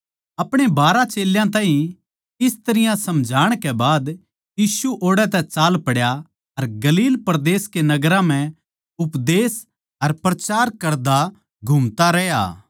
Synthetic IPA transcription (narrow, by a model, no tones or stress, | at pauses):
ɐpɽ̃ebaːɾãt͡ʃeːljãt̪̬ãːɦĩ | ɪst̪ɐɾɪjãsɐmd͡ʒʱaːɽ̃kɛbaːd̪ | jiːsuʔoːɽɛt̪̬ɛt͡ʃaːlpɐɽja | ɐɾɡɐliːlpɾd̪eːskenɐɡɾãm̤ɛ̃ | ʊpd̪eːs | ɐɾpɾɐt͡ʃaːɾkɐɾd̪a | ɡʱʊmt̪aɾɛja̰ː